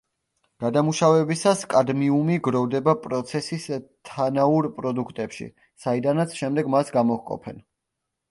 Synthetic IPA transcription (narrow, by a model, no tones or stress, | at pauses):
ɡ̥ad̪amuʃavɛbisaskʼad̪miumiɡɾɔvd̪ɛbapʼɾɔt̪sʰɛsist̪ʰanauɾpʼɾɔd̪ukʰt̪ʼɛpʃḭ | said̪anat̪sʰʃɛmd̪ɛɡmasɡamɔhkʼɔ̰pʰɛ̰n